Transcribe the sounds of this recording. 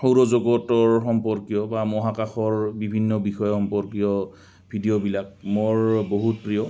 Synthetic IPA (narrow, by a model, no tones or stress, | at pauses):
xowɹɔzoɡɔtɔɹxɔmpɔɹkijɔbamɔɦakaxɔɹbibʱinːɔbixɔjɔxɔmpɔɹkijɔ | bʱidijobilak̚moɹboɦut̚pɹijɔ